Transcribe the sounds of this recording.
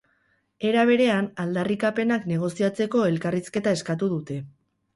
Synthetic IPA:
e̞ɾaβ̞e̞ɾe̞anald̪arikape̞nakne̞ɣ̞o̞siat͡se̞ko̞e̞lkariske̞t̪ae̞skat̪uðut̪e̞

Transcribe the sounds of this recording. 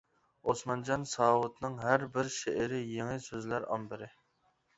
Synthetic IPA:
osmɑnd͡ʒɑnsɑːwut̪nɨŋɦæɾbɪɾʃeʔɪɾɪjeŋɪsøzlæɾɑ̰mbɪɾɪ

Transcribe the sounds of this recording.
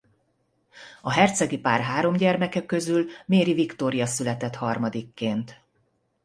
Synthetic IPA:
ɒɦɛrt̪sɛɡipaːrɦaːɾo̞mɟɛrmɛkɛkːø̞zylmeːɾivikt̪o̞ɾijɒsylɛt̪ɛt̪hɒrmɒd̪ikːeːnt̪

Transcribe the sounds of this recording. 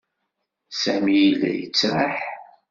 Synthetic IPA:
sæmijilæ̰jə̰t͡sːɾaħ

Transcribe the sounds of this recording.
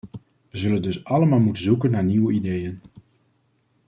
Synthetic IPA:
ʋəzɵləndɵsɑləmaːlˠmutənzukənːaːɹniwəidejən

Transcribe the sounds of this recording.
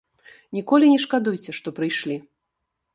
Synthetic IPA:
nʲikɔlʲinʲɛʂkad̪ujt͡sʲɛʂt̪ɔpɾɨjʂlʲi

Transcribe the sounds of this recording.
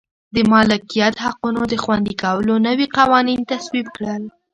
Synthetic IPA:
d̪əmɑlɪkijat̪haqunod̪əxwand̪ikawəlonəwiqawɑnint̪aswib̚kɽəl

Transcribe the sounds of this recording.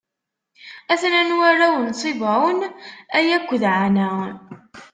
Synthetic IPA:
æθnænwaɾawənsˤivʕʊnæjækʷːðʕanæ

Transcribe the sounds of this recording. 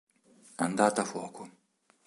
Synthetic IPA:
and̪aːt̪afwɔːko

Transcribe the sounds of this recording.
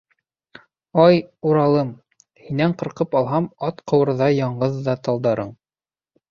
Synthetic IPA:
ɑjuɾɑlˠɤm | hinæɴqɤ̆ɾqɤpɑlˠɦɑmɑt̪qʰɤ̆wɤ̆ɾðɑjɑɴɢɤðːɑt̪ɑlˠd̪ɑɾɤɴ

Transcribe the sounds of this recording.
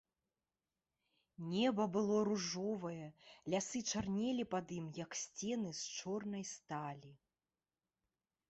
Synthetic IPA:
nʲɛbɐbɨlˠɔɾuʐɔvɐjɛlʲasɨt͡ʂarnʲɛlʲipad̪imjɐksʲt͡sʲɛnɨst͡ʂɔrnɐjst̪alʲi

